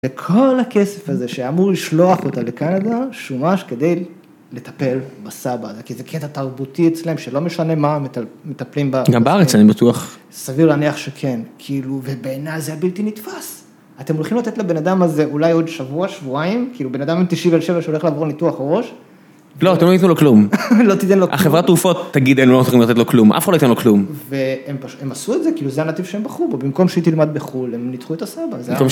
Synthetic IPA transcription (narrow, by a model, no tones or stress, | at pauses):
vekʰo̞lhake̞se̞faze̞ʃeamuʁliʃlo̞aχotale̞kanadaʃumaʃke̞d̪e̞j | le̞t̪ḁpe̞lbasabazekizekʰet̪at̪aʁbut̪iet͡sleemʃelo̞me̞ʃane̞mamet̪aplimbaɡambeaʁet͡sanibat̪uaχ | saviʁlaniaχʃekʰe̞nkʰiiluve̞beːnajzeabiltinitfas | at̪emolχimlat̪e̞t̪labe̞nad̪amaze̞ʔulajo̞d̪ʃavuaʃvuaimkiːlube̞nad̪amemt̪iʃivelʃevaʃeoleχlaːvo̞ʁnituaχaʁo̞ʃ | loat̪emoituloklumlo̞t̪it̪enloʔa̰χevʁat̪ʁufo̞t̪ːaɡid̪enulosiχimlat̪etloklumʔa̰fχadloitenloklumveempaʃue̞masuetzekiːluzeanat̪ivʃeembaχubobimko̞mʃeit̪ilmad̪̚beχulemnitχuet̪asabazkom